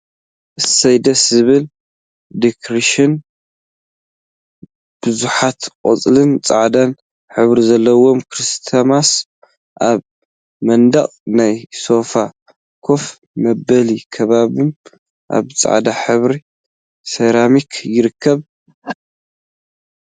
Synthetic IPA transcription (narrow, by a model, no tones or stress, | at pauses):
ʔɨsɐjd̪ɐszɨβɨl | d̪ikʰɾiʃɪn | b̥ɨzuħat̪qʼo̰t͡sʼlɨnt͡sʼa̰ʕd̪an | ħɨβɾizɐlːɐwo̞mkʰɾist̪ʰamas | ʔaβ | mɐnd̪ɐχʼnajso̞fa | kʰo̞f | mɐbɐlikʰɐβaβɨm | ʔa̰βt͡sʼa̰ʕd̪aħɨβɾi | sɐɾamikʰjɪɾɨkʰːɐβ